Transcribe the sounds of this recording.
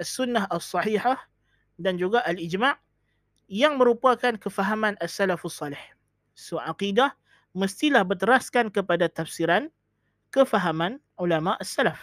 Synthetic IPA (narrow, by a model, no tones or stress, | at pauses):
asunːaɦasːɑħiħah | dand͡ʒuɡaʔalid͡ʒmaʔ | jaŋmə̃ɾupakankəfaɦamãnasːalafasːɑlɪh | soʕaqidah | məst̪ilahbərt̪əɾaskankəpadat̪afsiɾan | kəfaɦamãn | ulamaʔasːalaf